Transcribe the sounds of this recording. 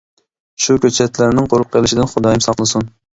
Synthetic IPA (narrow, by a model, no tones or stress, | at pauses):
ʃukʲøt͡ʃʰɛt̪læɾnɪŋqʰoɾʊqʰːelˠɪʃɪd̪ɪnχʊd̪ɑjɪmsɑqlˠɨsun